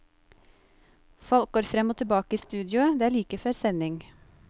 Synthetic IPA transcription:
fɔlk̚ɡoːɾfɾɛmoːt̪ʰɪbɑːkəiːst̪ʉːd̪jʊəd̪eːæːɭiːkəfœɾsɛnɪŋ

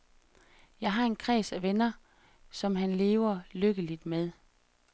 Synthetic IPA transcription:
jɑ̈ɪɦɑ̈e̝nkʰʁɛ̰ːsæʋenɐ | sɒ̽mɦænle̝ːʊɐløɡ̥əlid̥meðˠ

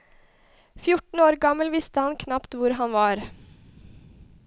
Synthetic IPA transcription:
fjʊʈɳn̩oːɾɡɑməlʋɪst̪əhɑnkʰnɑpt̪ʋʊɾɦɑnʋɑːɾ

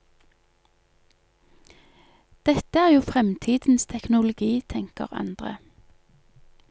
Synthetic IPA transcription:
d̪̥ɛt̪əæːʁjuːfʁɛmt̪ʰiːd̪̥n̩st̪ʰɛknʊlʊɡiːt̪ʰɛŋkə̰ʁɑ̰nd̪̥ʁə̰

